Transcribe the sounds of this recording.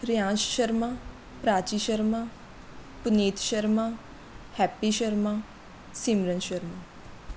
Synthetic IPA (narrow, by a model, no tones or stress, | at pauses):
ɾjãʃʃəɾmã | pɾat͡ʃiʃəɾmã | pnit̪ʃəɾmã | hɛpːiʃəɾmã | simɾənʃəɾmã